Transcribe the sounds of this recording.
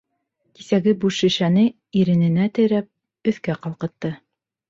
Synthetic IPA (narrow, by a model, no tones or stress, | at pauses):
kisæɡɘbuʃɘ̆ʃænɘ | iɾɘ̆nɘ̆næt̪ɘ̆jɾæp̚ | ɵ̆θkæqɑlˠqɤ̆t̪ːɤ